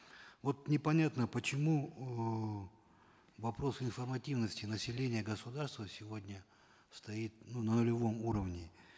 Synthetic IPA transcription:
vo̞t̪nʲɪpɐnʲat̪nəpət͡ɕɪmu | vɐpɾo̞sɪnfərmɐtʲivnəsʲtʲɪnəsʲɪlʲenʲɪjəɡəsʊd̪arst̪vəsʲɪvo̞dʲnʲə | st̪ɐit̪̚nunənʊlʲɪvo̞muɾəvnʲɪ

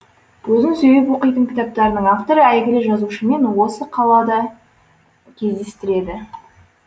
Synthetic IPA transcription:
wozənse̞be̞p̬wo̞qəjt̪əŋkʲɪ̥t̪ɑp̚t̪ɑɾənəɴaft̪o̞ɾəæjɡʲɪlɪʒɑzuʃəme̞nwo̞səqʰɑlˠɑd̪ɑ | kʲʰe̞zd̪e̞st̪ɪɾe̞d̪ɪ

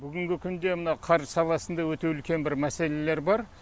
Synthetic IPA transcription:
bʏɡʲɪŋɡʲɪkʲʰʏnd̪e̞mənɑqʰɑɾʒsɑlˠɑsənd̪ɑwɵt̪e̞ʏlkʲe̞nbɪɾmæse̞le̞le̞ɾbɑɾ

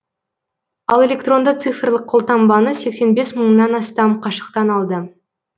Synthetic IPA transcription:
ɑlˠe̞lʲe̞kt̪ro̞nd̪ət̪sɨfrlˠəqʰːo̞lˠt̪ɑmbɑnəse̞kse̞nbe̞sməɴnɑnɑst̪ɑmqʰɑʃə̥qt̪ɑnɑlˠd̪ə

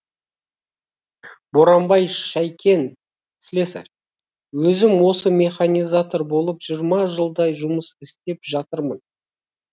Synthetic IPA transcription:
bo̞ɾɑmbɑjʃæjkʲe̞n | slesa̰ɾ | wɵzɪmwo̞səmʲe̞χanʲijzat̪o̞ɾbo̞lˠəpʒijɾmɑʒəlˠd̪ɑjʒʊməsɪst̪e̞pʒɑt̪əɾmən

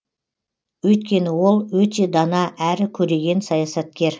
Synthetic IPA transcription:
wɵjt̪̚kʲe̞nɪwo̞lˠwɵt̪e̞d̪ɑnɑʔæɾɪkʲʰɵɾe̞ɡʲe̞nsɑjɑsɑt̪̚kʲe̞ɾ

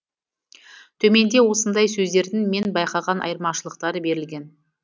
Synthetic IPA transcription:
t̪ʰɵme̞nd̪e̞wo̞sənd̪ɑjsɵzd̪e̞ɾd̪ɪŋme̞nbɑjqɑʁɑnʔɑ̰jəɾmɑʃəlˠəqt̪ɑɾəbe̞ɾɪlɡʲe̞n

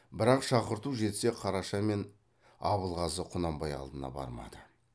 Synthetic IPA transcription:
bɪɾɑqʃɑqəɾt̪uʒe̞t̪se̞qʰɑɾɑʃɑme̞n | ɑ̰βəlˠʁɑsəqʰʊnɑmbɑjɑ̰lˠd̪ənɑ̰bɑ̰ɾmɑ̰d̪ə

